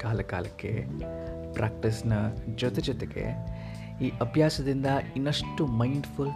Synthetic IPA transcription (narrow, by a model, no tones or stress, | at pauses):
kaːlɐka̰ːlɐkːe̞̰ | pɾʔaːk̚ʈisnɐd͡ʒɔt̪ed͡ʒɔt̪eɡe̞̰ | iːʔɐbʱjaːsɐd̪ind̪ɐinːɐʂʈumɐiɳɖful